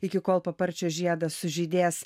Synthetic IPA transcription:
ɪkʲɪkoːlˠpɐpɐɾʲt͡ʃʲoːʒʲiɛd̪ɐsʊʒʲiːd̪ʲeːs

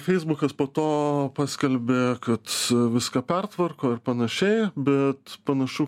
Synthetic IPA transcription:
fʲɛɪzbʊkɐspoːt̪oːpɑːsʲkʲɛlʲbʲeːkɐt̪ʋʲɪskɐpʲɛrt̪ʋɐrkoːɪrpɐnɐʃʲɛɪbʲɛt̪pɐnɐʃʊ

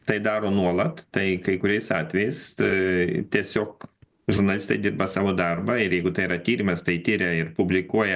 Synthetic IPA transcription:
t̪ɐɪd̪ɑːɾoːnuɔlˠɐt̪t̪ɐɪkɐɪkʊɾʲɛɪsɑːt̪ʲʋʲɛjɛɪs | t̪ʲiɛsʲoːk | ʒʊɾnɐlʲɪst̪ɐɪd̪ʲɪrbɐsɑːʋoːd̪ɐrbɐɪɾjɛɪɡʊt̪ɐɪɾɐt̪ʲiːɾʲimɐst̪ɐɪt̪ʲiːɾʲɛɪrpʊbʲlʲɪkuɔjɛ

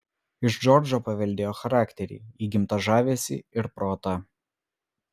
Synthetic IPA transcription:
ɪʒd͡ʒɔɾʲd͡ʒoːpɐʋʲɛlʲd̪ʲeːjoːxɐɾɑːkt̪ʲɛɾʲḭiːɡʲɪmt̪ɐʒɑːʋʲeːsʲɪ̰ɪɾpɾoːt̪ɐ

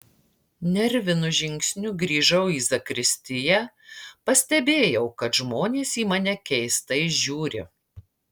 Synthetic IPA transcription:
nʲɛɾʲʋʲɪnʊʒʲɪŋʲksʲnʲʊɡɾʲiːʒɐʊiːzɐkɾʲɪsʲt̪ʲɪjɛ | pɐsʲt̪ʲɛbʲeːjɛʊkɐt̪ʒmoːnʲeːsiːmɑnʲɛkʲɛɪst̪ɐɪʒʲuːɾʲɪ̰

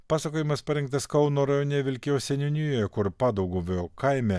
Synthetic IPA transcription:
pɑːsɐkoːjɪmɐspɐɾʲɪŋk̚t̪ɐskɐʊnoːɾɐjonʲɛʋʲɪlʲkʲosʲɛnʲɪnʲujojɛkʊɾpɑːd̪ɐʊɡuʋʲokɐɪmʲɛ

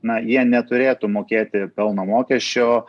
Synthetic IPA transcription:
nɐjiɛnʲɛt̪ʊɾʲeːt̪ʊmoːkʲeːt̪ʲɪpʲɛlˠnɐmoːkʲɛʃʲt͡ʃʲoː

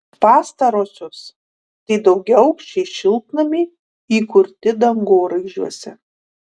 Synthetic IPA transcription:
pɑːst̪ɐɾoːsʲʊs | t̪ɐɪd̪ɐʊɡʲɛɐʊkʃʲt͡ʃʲɛɪʃʲɪlˠk̪nɐmʲɪ | iːkʊɾʲt̪ʲɪd̪ɐŋɡoːɾɐɪʒʲuɔsʲɛ

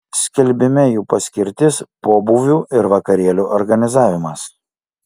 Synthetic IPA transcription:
sʲkʲɪlʲbʲɪmʲɛjuːpɐsʲkʲɪɾʲt̪ʲɪspoːbuːʋʲuːʔɪɾʋɐkɐɾʲiɛlʲuːʔɔɾɡɐnʲɪzɑːʋʲɪmɐs

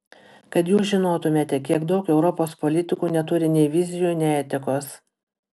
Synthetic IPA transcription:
kɐt̪juːsʒʲɪnoːt̪ʊmʲeːt̪ʲɛkʲiɛɡd̪ɒʊkɛʊɾɔpoːspɔlʲɪt̪ʲɪkuːnʲɛt̪ʊɾʲɪnʲɛɪʋʲɪzʲɪjuːnʲɛɪɛt̪ʲɪkoːs

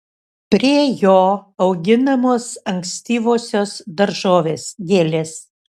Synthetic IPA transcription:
pʲɾʲiɛjoːɐʊɡʲɪnɐmoːsɐŋksʲt̪ʲiːʋoːsʲoːsd̪ɐɾʒoːʋʲeːsɡʲeːlʲeːs

